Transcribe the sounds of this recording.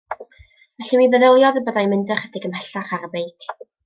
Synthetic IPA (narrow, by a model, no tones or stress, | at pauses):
vɛɬimivəðəlˠjɔðəbədajmɪndəχədɪɡəmhɛɬaχaɾəbejkʰ